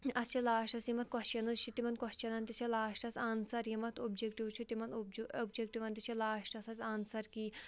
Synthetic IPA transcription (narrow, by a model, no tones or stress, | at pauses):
ɐst͡ʃʰilaːʃʈɐsjimɐt̪̚kɔst͡ʃɐnɨt͡ʃʰit̪imɐnkɔst͡ʃɐnɐnt̪ʲit͡ʃʰilaːʃʈɐsaːnsɐɾjimɐt̪ʰobd͡ʒek̚ʈiwt͡ʃʰut̪imɐnobd͡ʒek̚ʈiʋɐnt̪it͡ʃʰilaːʃʈɐsɐsʲaːnsɐɾki